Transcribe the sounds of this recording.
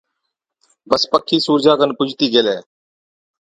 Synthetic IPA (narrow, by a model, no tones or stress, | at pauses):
bəspəkʰːiːsuːɾd͡ʒaːkənpʊd͡ʒʱt̪iːɡeːleː